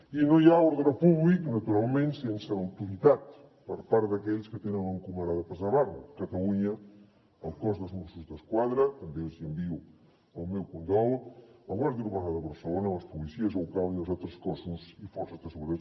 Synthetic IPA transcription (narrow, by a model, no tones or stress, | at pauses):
inojaɔɾðɾɐpuβliknɐt̪uɾalˠmẽnt̪sensəːwt̪uɾit̪at̪ | pəɾpaɾðɐkɛʎskət̪enəŋəŋkuməɾaðəpəzaβarkət̪ɐluɲəː | lˠkɔzðəlˠzmusuzðəskwaðɾət̪ɐmbelzimbiu | əlˠmɛwkunt̪ɾɔlˠəlˠβazðiɾβaɾaðəβəɾsəlonɐləspulisiəzowkaliəlˠzat̪ɾəskɔsuzifɔɾsəzðəsəɣuɾiɾa